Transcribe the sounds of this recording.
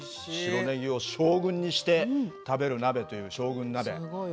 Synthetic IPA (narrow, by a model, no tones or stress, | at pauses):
ɕiɾo̞neɡʲio̞ɕo̞ːɡɯ̟̃ɲ̟ːiɕi̥t̪e̞t̪abe̞ɾɯ̟nabe̞t̪o̞jɯ̟ːɕo̞ːɡɯ̟̃nːabe̞̰